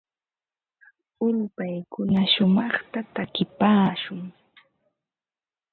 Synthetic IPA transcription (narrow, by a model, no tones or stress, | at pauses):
ʊʎpajkʊnaʃʊmɑχt̪at̪akɪpaːʃʊŋ